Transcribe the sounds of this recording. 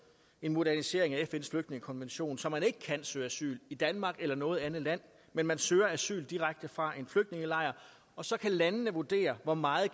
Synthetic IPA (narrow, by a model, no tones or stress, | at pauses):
e̝nmo̝ɾæɐnise̝ɐe̝ŋæefen̰sfløɡ̥̚dne̝ŋəkʰɒ̽nʋenɕo̝̰ːnsɒ̽mːæne̝ɡ̥ə̥kʰæn̰søːæsy̰ːlid̥ænmɑ̈ːɡ̥elɐnɔ̽ːð̞̩ˠænð̩ˠlæn̰ | menmænsøːɐæsy̰ːld̥iʁaɡ̥̚d̥əfʁɑ̈ʔe̝nfløɡ̥d̥ne̝ŋəlɑ̈ɪ̰ɐ | ɒ̽sɒ̽kʰælænənəʋud̥e̝̰ːɐʋɒmɑ̈ːð̩ˠ